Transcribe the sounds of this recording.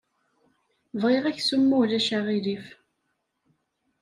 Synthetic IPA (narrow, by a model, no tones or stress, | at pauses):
vʁeʁæçsumːulæʃaʁilif